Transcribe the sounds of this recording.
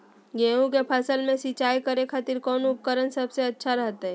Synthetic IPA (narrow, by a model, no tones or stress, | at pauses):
ɡẽːũkepʰəsəlmẽsit͡ʃaːikəɾekʰaːt̪iɾkɔːnʊp̚kəɾənsəbseɐtːʃʰaɾəɦt̪aɦɛː